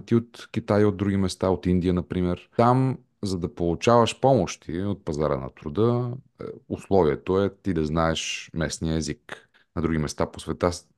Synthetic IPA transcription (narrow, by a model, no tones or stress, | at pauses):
t̪iot̪kʲit̪ajod̪̚d̪ːɾuɡ̟imɛst̪aot̪ind̪ijənɐpɾimɛɾam | zɐd̪ɐpolˠut͡ʃavɐʃpɔmoʃt̪ʰiot̪̚pɐzaɾə̰nɐ̰t̪ɾʊd̪ə | ʊslˠɔviɛt̪oɛt̪id̪ɐznaɛʃmɛsniəɛzik | nɐd̪ɾuɡ̟imɛst̪aposvɛt̪a